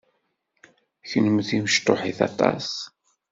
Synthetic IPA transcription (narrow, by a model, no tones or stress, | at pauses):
çənəmθiməʃt̪oħiθɑ̰t̪ˤɑ̰s